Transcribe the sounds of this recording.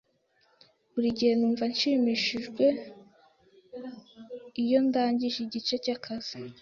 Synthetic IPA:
βuɾiɟihe̞nuːɱvanʃimiʃiʒɡwe̞ | ijo̞ndaːɲɟiʒiɟit͡ʃe̞cakʰaz̥i

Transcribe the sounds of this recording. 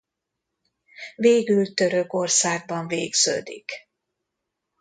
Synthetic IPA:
veːɡylt̪ø̞ɾø̞ko̞rsaːɡ̚bɒɱveːɡz̥ø̰ːd̪ḭk

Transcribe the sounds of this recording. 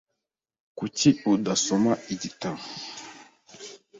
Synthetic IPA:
kutiudasomaiditaŋ

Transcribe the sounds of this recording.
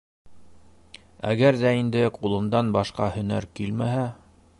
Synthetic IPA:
æ̰ɡæɾðæind̪ɘqulˠɤ̆md̪ɑnbɑʃqɑhɵ̆næɾkilmæɦæ

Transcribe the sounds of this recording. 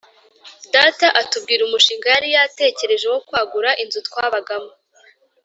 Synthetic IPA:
dataʔatub̚ɡiːɾumuʃiːŋɡajaɾijate̞ːce̞ɾe̞ʒe̞wo̞kwaːɡuɾaʔinzutkwaːβaɡamo

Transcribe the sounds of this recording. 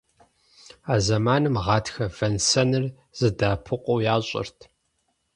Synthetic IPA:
aːzɐmaːnɨmʁɑːtʰxɐvɐnsɐnɨr | z̥ɨdaːpʰɨqʷʼowjaːɕʼɪ̰rtʰ

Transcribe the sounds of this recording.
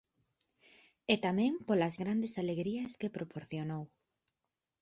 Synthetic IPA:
et̪amɛ̃ŋpolazɣɾand̪esaleɣɾiɐskepɾopoɾθjonow

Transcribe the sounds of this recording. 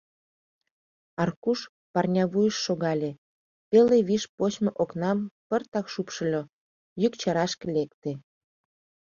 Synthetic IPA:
ɑrkuʃ | pɑrnʲɑβujəʃːoɣɑlʲe | peleβiʃpot͡ɕmoʔoknɑmpərt̪ɑkʃupʃə̆lʲo | jykt͡ɕɑɾɑʃkĕlekt̪e

